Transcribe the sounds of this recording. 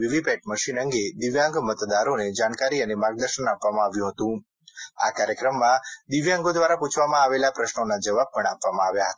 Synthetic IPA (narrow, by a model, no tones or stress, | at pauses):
ʋiʋipɛʈ̚məʃinəŋɡed̪iʋjãŋɡmət̪d̪aɾoned͡ʒaɳkaɾiənemaɡ̚d̪əɾʃənapʋamãaʋjũɦət̪ũ | a̰kaɾjəkɾəmːãd̪iʋjãŋɡod̪ʋaɾaput͡ʃʰʋamãaʋelapɾəʃnonad͡ʒəʋab̚pəɳ̃apʋamãaʋjaɦət̪a